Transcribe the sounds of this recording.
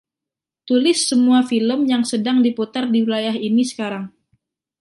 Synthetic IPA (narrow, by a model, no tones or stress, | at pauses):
t̪ulɪsːəmuafiləmjaŋsədaŋdiput̪ardiwilajaɦinisə̥kaɾaŋ